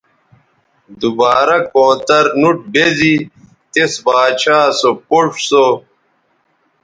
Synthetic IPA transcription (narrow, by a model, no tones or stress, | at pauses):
d̪ubaːɾɐkõːt̪ɐɾnuʈ̚bezi | t̪esbaːt͡ɕʰaːsopoʂso